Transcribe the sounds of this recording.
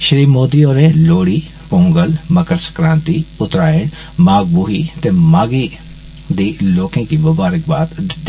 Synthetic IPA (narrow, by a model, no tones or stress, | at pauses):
ʃəɾiːmoːd̪iɔːɾeloːɽiː | põːŋɡəlmɐkəɾsə̥kɾãːnt̪iʊt̪ɾaːɪɽ | maːɡ̚buːɦit̪emaːɡi | d̪iːloːkẽkimʊbaːɾɪk̚baːt̪d̪ɪd̪i